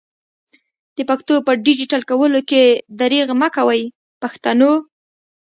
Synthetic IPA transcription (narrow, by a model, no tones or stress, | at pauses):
d̪̥əpakt̪opəɖid͡ʒiʈalkawəloked̪aɾeɣmakawaj | paxt̪ano